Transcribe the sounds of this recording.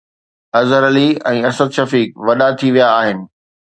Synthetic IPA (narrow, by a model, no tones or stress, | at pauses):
ɐzəɾəliɛ̃ːɐsəd̪ʃɐfiːk̚ʋɐɗat̪ʰiʋijaːɦɪnɪ̆